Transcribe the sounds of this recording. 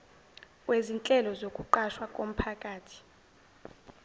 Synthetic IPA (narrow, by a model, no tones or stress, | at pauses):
wʔezint͡ɬʼɛlɔzokʼuǃaʃwakʼom̩pʰakʼaːtʰi̥